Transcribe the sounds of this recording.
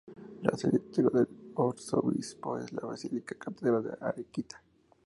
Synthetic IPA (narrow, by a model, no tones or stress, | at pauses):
ɾasilit̪iɾoðeloɾsoβispoeslaβasilikḁkat̪ðeɾaðeʔaɾekit̪ḁ